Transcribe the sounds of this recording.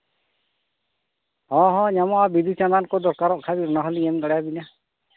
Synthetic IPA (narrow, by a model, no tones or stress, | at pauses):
hɔ̃ɦɔ̃ɲamɔabid̪ʱut͡ʃanankɔd̪ɔɾkaɾɔʔkʰabiɾnaɦɔliɛmɡaɽajabina